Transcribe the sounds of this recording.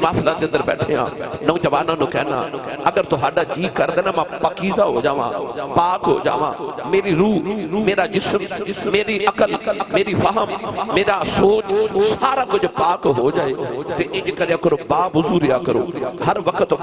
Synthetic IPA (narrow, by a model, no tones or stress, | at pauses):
maːfʰɪlãːd͡ʒ̪ẽːɐnd̪əɾbɛ̰ːʈʰejã̰nɐũːd͡ʒɐʋaːnãːnõkɛːnã̰ɐɡəɾt̪oɦaːɖad͡ʒiːkɐɾd̪eːnamãpɐkiːzaɦoːd͡ʒaːʋã̰ːpaːkɦo̰ːd͡ʒa̰ːʋã̰meːɾiɾuːmeːɾad͡ʒɪsmmeːɾiʔɐkəlmeːɾifʰɐɦəmmeːɾasoːt͡ʃsaːɾaːkʊd͡ʒʱʊpaːkɦoːd͡ʒaːet̪eʔɪ̃d͡ʒkɐɾijãkɐɾobaːbʊzuːɾijakɐɾo̰ːɦɐɾʋɐkʰət̪